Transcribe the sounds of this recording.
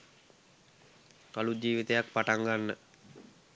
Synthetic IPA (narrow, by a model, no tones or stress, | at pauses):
kalud͡ʒiːʋit̪əjak̚paʈaŋɡanːə